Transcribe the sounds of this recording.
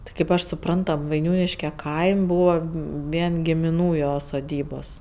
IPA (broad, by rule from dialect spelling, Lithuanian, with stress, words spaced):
ˈtʲɪ kɐɪp ˈɐʃ sʊˈprɐnt ˈtɐm ʋɐɪˈnʲuːnʲɪʃʲkʲɛ ˈkɐɪmʲ ˈbuːʋɐ ˈʋʲiɛn ɡʲɪmʲɪˈnuː ˈjoː soːˈdʲiːboːs